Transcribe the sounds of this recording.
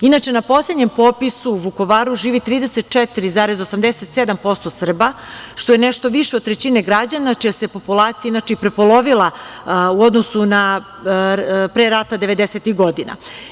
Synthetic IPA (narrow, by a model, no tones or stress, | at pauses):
inat͡ʃe̞napo̞slʲed̪ɲe̞mpo̞pisuːʋuko̞ʋaːɾuʒiːʋit̪ɾiːd̪eset̪̚t͡ʂɛt̪iɾizaːɾezosamd̪eset̪sed̪ampo̞st̪o̞sr̩baʃt̪o̞jeneʃt̪o̞ʋiʃed̪̚t̪ɾet͡ɕineɡɾad͡ʑanat͡ʃijasepo̞pulˠaːt̪sijainat͡ʃeipɾepolˠo̞ʋilˠauo̞d̪nosuna | pɾeɾat̪ad̪eʋe̞d̪eset̪iɣɡo̞d̪ina̰